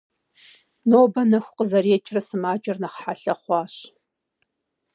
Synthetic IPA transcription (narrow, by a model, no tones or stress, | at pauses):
noːbɐnɐxʷʊqəzɐreːt͡ʃʰʼrɐsɨmaːd͡ʒʼɪrnɐχħaɬɐχʷɑːɕ